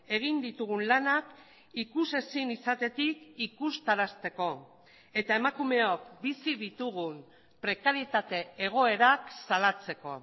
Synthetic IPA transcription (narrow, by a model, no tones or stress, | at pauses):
e̞ɣ̞ind̪it̪uɣunlanak | ikuse̞sinisat̪e̞t̪ikikust̪aɾast̪e̞ko̞ | e̞t̪ae̞makume̞o̞k̚bisiðit̪uɣ̞un | pɾe̞kaɾie̞t̪at̪e̞eɣ̞o̞e̞ɾaksalat͡se̞ko̞̰